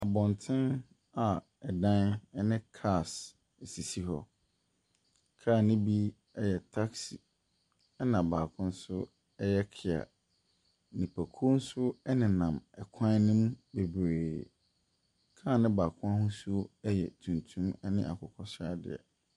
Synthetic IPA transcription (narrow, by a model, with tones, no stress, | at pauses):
a˨bɔ̃˨ntʰɪ̃˦n | a˨ | ɛ˨dã˦nɛ˦nɪ̃˦kʰa˦˨s | e˨si˨si˦ɦɔ̰˦ | kʰaː˦˨nɪ̃˦bi˦ | ɛ˦jɛ˨tʰa˦ksi˨ | ɛ˦nã˨baː˨kʰʊ̃˦n̩˦sʊ˦ | ɛ˦jɛ˦kʰɪ˨a̰˨ | nĩ˨pʰæ˨kʰu˦o˦n̩˦sʊ˦ɛ˦nɪ̃˨nã˨mɛ˨kʷʰã˦nɪ̃˦m˦be˨bɾeː˨ | kʰaː˦˨nɪ̃˦baː˨kʰʊ̃˦a˦hʊ̃˦su˦ɛ˦jɛ̰˨tʰũ˨ntʰũ˦mɛ˦nɪ̃˦ʔa̰˨kʰɔ˨kʰɔ˦sa˦dɪ̰˨ɛ̰˨